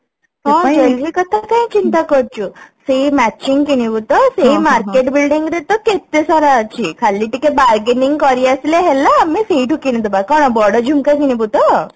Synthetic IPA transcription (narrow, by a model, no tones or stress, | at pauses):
ɦãsəlikət̪akãĩt͡ɕint̪akəɾt͡ɕusemæt͡ɕiŋɡkinibut̪əsemaɾkeʈbilɖiŋɡɾet̪əket̪ːesɔɾat͡ɕikʰalːiʈikebaɾɡeniŋɡkɔɾiəsleɦɛlaːmiseiʈukined̪ubakɔnabɔɾɽəd͡ʑʱumkak̬inibut̪ə